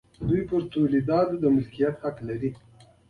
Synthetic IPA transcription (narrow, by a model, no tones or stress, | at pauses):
d̪ujpəɾt̪olid̪ɑt̪d̪əmɪlkijat̪haklaɾi